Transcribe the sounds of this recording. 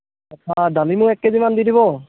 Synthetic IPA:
adalimʊɹɛkːezimandidiβɔ

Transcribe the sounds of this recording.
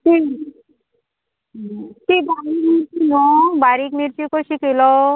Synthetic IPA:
ti | t̪ibaɾikmiɾt͡ʃinɔbaɾikmiɾt͡ɕikoɕikelɔ

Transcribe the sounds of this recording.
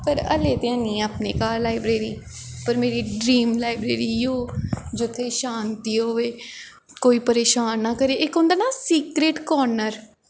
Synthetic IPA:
pəɾə̰leːt̪eãːnĩːaːpnḛːkaːɾlaːɪbɾeːɾiːpəɾmeːɾiːɖɾiːmlaːɪbɾḛːɾiːjoːd͡ʒʊt̪ʰːeːʃaːnt̪iːɦoːʋeː | koːiːpəɾeːʃaːnːaːkəɾeːʔɪkʊ̃nd̪aːnaːsiːkɾeːʈkɔːɾnəɾ

